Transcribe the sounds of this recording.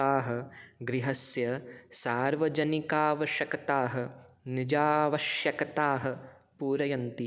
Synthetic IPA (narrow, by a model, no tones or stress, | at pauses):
aːɦɐ̆ɡɾiɦɐsjɐsaːɾʋɐd͡ʒɐnikaːʋɐʃjɐkɐt̪aːɦɐ̆nid͡ʒaːʋɐʃjɐkɐt̪aːɦɐ̆ | puːɾɐjɐnt̪i